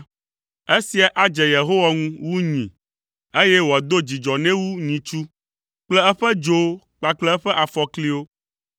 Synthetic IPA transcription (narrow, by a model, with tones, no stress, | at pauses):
e˦si˨a˨ʔa˨d͡ʒɛ˨je˨ɦo˦wa˨ŋũ˦wu˦ɲĩ˨ | e˦jɛ˦wo˨a˨d̪o˦d͡ʑi˨d͡ʒɔ˨nɛ̃˦wu˦ɲĩ˨t͡ʃu˦ | k͡plɛ˦ɛ˦ɸɛ˦d͡ʒo˦ | k͡pa˨k͡plɛ˦ɛ˦ɸɛ˦ʔa˨fɔ˨kli˦wo˦